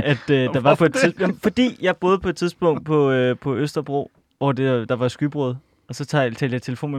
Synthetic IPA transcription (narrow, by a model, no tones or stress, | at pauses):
æd̥ø̥ɑ̈ʋɑ̈pʰɒ̽ed̥ʰifɒ̽d̥ḭːjɑ̈ɪb̥o̝ːð̞̩ˠpʰɒ̽ed̥t͡sʰiðˠsb̥ɔ̽ŋ̰d̥̚pʰɒ̽pʰɒ̽øsd̥ɐb̥ʁo̝̰ | ʋɒd̥ed̥ɑ̈ʋɑ̈sɡ̥yb̥ʁɔð̞̩ˠ | ɒ̽sɒ̽t͡sʰt͡sʰɛ̰ld̥jɑ̈ɪt͡sʰe̝ləfo̝̰ːnme